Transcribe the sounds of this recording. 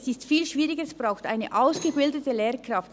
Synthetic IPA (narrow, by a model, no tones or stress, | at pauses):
sɪstfiːlʃv̥iːʁɪɡəɛsb̥ʁaʊxta̰ɪnə̰ʔaʊsɡ̥əbɪldətəleːɾkrɑft